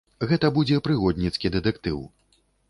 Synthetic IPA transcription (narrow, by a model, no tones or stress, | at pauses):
ɣɛt̪ɐbud͡zʲɛpɾɨɣɔd̪ʲnʲit̪skʲid̪ɛt̪ɛkt̪ɨw